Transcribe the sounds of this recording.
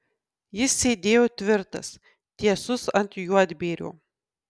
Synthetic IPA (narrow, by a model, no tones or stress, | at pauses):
jɪssʲeːd̪ʲeːjoːt̪ʲʋʲɪɾt̪ɐ̰s | t̪ʲiɛsʊsɐnʲt̪ʲjud̪ʲbʲeːɾʲo̰ː